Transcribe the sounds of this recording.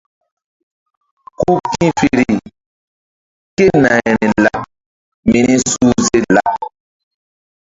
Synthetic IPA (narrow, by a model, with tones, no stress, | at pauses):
ku˦kĩ˦fi˨ɾi˨ | ke˦nã˨ɛ˨ɾɛ̃˨la˦ | mi˨nĩ˦su˦ze˦la˦